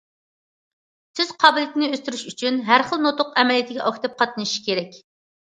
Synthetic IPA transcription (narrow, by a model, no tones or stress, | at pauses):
sʰɪz̥qʰɑːbɨlˠɨt̪ʰɪnɪøst̪yɾyʃyt͡ʃʰynɦæɾχəlˠnot̪ʊqɛmɛlijit̪ʰɪɡʲɛʔɑkʰʲi̥t̪ʰɑp̚qʰɑt̪ɨnʃi̥kʲʰeɾɛkʲ